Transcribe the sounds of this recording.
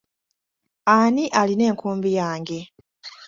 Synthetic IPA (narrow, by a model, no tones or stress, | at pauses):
aniʔaline̞ːŋkuːmbijaːŋɡe̞